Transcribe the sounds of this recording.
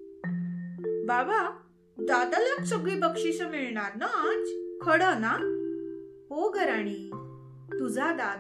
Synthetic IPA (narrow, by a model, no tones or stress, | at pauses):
baba | d̪ad̪aləksəɡɭipəkʂisəmiɭɳaɾnaad͡zkʰəɽəna | ɦoɡʱəɾaɽ̃iː | t̪ud͡zʱad̪ad̪